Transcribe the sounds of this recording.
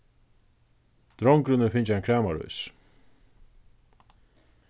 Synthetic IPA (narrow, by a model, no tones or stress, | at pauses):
d̪̥ɾɔŋkɾʏnəfɪɲt͡ʃankʰɾæːmaɾṵjs